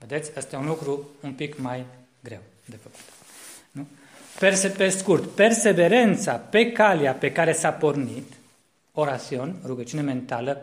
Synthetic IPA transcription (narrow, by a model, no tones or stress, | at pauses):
ve̞d̪e̞t̪sʲəst̪ejeunlukɾuumpikmaj | ɡɾe̞̰w | d̪e̞fəku̥t̪ | nu | persepe̞skurt̪pe̞rse̞ve̞ɾe̞nt̪sape̞kaliape̞kaɾe̞sapo̞rnit̪ | o̞ɾasio̞nruɡət͡ʃiune̞me̞nt̪alə